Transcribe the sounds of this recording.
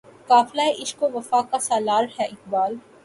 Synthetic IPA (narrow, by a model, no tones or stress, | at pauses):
kaːflaeʔɪʃkoʋɐfaːkasaːlaːɾhɛʔɪk̚baːl